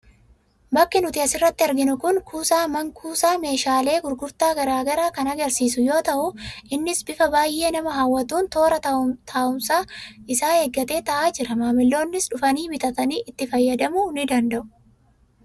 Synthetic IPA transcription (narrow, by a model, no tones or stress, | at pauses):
bɐkːɪnʊt̪ɪɐsɪrːɐt̪ːɪɐɾɡɪnʊkʊnkʰuːsaːmɐŋkʰuːsaːme̞ːʃaːle̞ːɡʊɾɡʊɾt̪aːɡɐɾaːɡɐɾaːkɐnɐɡɐɾsiːsʊjo̞ːt̪ɐʔʊʔɪnːɪsbɪfɐbaːjʔːe̞ːnɐmɐɦawːɐt̪uːnt̪o̞ːɾɐt̪ʰaːʊmsaːɪsaːheːɡːɐt̪e̞ːt̪ɐʔaːd͡ʒɪɾɐmaːmɪlːo̞ːnːɪsᶑʊfɐniːbɪt̪ɐt̪ɐniːʔɪt̪ːɪfɐjːɐd̪ɐmʊnɪd̪ɐnd̪ɐʔʊ̥